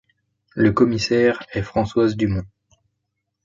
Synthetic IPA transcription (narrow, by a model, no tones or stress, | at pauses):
ləkɔmisɛʁɛfχɑ̃swazd̪ymɔ̃